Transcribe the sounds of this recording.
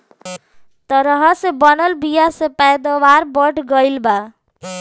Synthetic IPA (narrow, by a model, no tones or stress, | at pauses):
t̪ʌɾʌɦʌsebʌnəlbijasepɛd̪ɔwaɾbɔʈʰɡʌjlba